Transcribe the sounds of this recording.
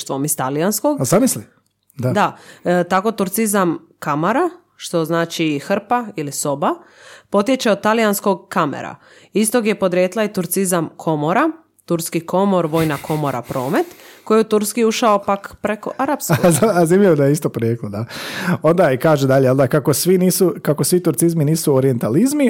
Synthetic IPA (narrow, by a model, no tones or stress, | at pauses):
ʃt̪ʋo̞mist̪alijansko̞ɡzamisli | d̪ad̪at̪ako̞t̪uɾt̪sizam | kamoɾa | ʃt̪o̞znaːt͡ʃixr̩pailisobapo̞t̪je̞t͡ʃeot̪alijansko̞ɡ̚kamḛɾa̰ | ist̪oɡje̞po̞d̪ɾijeːt̪lˠait̪uɾt̪sizamkʰo̞moɾa | t̪uɾskikʰo̞mo̞ɾʋo̞ːjnakʰo̞moɾʔa̰pɾo̞ːme̞t̪kojeut̪uɾskiuʃaopakpɾe̞ko̞̰ʔaɾapskozazimʎiʋod̪ajeist̪opɾjeklod̪aond̪aikaːʒed̪aʎeond̪akakosʋiniːsukakosʋit̪uɾt̪sizminiːsuoɾie̞nt̪alizmi